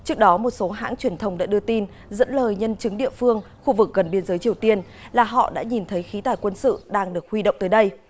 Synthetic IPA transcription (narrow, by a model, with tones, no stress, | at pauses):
t͡ɕɨ˦˥ək̚ɗɔ˨˦mo˨˩t̚so˨˦ɦa̰ː˧˥ŋt͡ɕwi˧˩ənt̪ʰə˧wŋ͡mɗa̰ː˧˥ɗɨ˧ət̪i˧n | zə̰˧˥nləː˨˩jɲə˧nt͡ɕɨ˨˦ŋɗḭ˧˨əfɨ˧əŋ | xu˧vɨ˨˩k̚ɣə˨˩nɓi˧ənzəː˨˦jt͡ɕi˨˩əwt̪i˧ən | laː˨˩ɦɔ̰˧˨ɗa̰ː˧˥ɲi˨˩nt̪ʰə˨˦jxi˨˦t̪aː˨˩jkwə˧nsɨ̰˧˨ɗaː˧ŋɗɨ˨˩ək̚hwi˧ɗə̰˧˨wŋ͡mt̪əː˨˦jɗə˧j